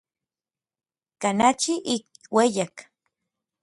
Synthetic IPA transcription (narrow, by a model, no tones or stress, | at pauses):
kanat͡ʃiʔik̚wejak